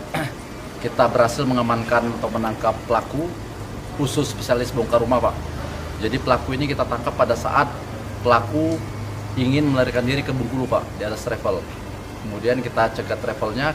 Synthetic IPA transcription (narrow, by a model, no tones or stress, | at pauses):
kit̪abəɾhasɪlməŋamankanat̪ak̚mənaŋkapːəlaku | usʊspe̥sialɪsboŋkaɾumapa̰ʔ | d͡ʒadipəlakuinikit̪at̪aŋkapːadasa̰ʔat̪̚ | pəlaku | iŋɪnməlaɾikandiɾikəbuŋkulupa̰ʔdiat̪ast̪ɾefəl | kəmudiankit̪at͡ʃəɡat̪ːɾefəlɲa